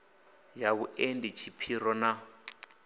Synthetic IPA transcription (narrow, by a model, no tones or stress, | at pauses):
jaβuʔendit͡ʃʰipʰiɾɔna